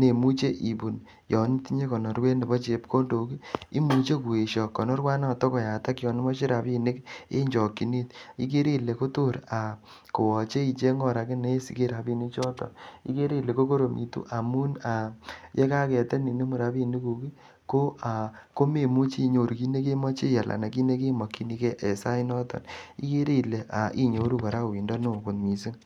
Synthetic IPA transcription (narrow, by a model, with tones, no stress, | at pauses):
ne˨mu˦t͡ʃe˦ʔi˨bu˨n | jɔ˨n˦ti˦ɲe˦kɔ˨nɔ˨rwe˦ne˨bɔ˦t͡ʃe˨˦pkʰo˦ndo˨ki˦i˦mu˨˦t͡ʃe˦ku˨e˨ʃɔ˨kːɔ˨nɔ˦rwa˦na˦˨tɔ˦kɔ˨ja˨ta˦kjɔ˨nɪ˦mɔ˦ʃɪ˦ɾa˨bi˦˨nɪ˦kḛ˦ɲd͡ʒɔ˨kːi˨ni˦t̚ḭ˦ke˦ɾi˦le˨ko˦to˦ɾa˨ | ko˨wɔ˨t͡ʃe˦i˨t͡ʃe˦ŋɡɔ˦˨ɾa˨kɪ˦ne˦sḭ˨ke˦ɾa˨bi˦ni˦t͡ʃɔ˦tɔ̰˨ḭ˦ke˦ɾi˦˨le˨ko˦ko˦ɾo˨mʔḭ˨tṵ˦ʔa˨mu˦na˨je˦ka˦kɛ˨te˦ni˨ne˦mu˨ɾa˨pi˦ni˦ku˨ki˦ | ko˦a˨ko˦me˨mu˦t͡ʃi˦˨ɲo˨ɾu˨ki˦ne˦k̬e˦mɔ˦t͡ʃe˦ja˨lʔa̰˨na˨ki˦ne˦ke˦mɔ˨kːi˦ni˦ke˦ʔe˨sa˦i˦nɔ˦tɔ̰˨nḭ˦ke˦ɾi˦˨le˨ʔa˨ʔi˦ɲo˨˦ɾu˦ka˨ɾa˦˨wi˨ndɔ˦no˦˨ku˨nmi˨si˦ŋ